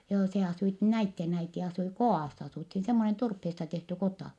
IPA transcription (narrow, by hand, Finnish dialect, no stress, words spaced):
joː se ɑsuit næitːen æiti ɑsui koɑˑsː ɑsuˑthin semːonen turpheːstɑ tehty kotɑ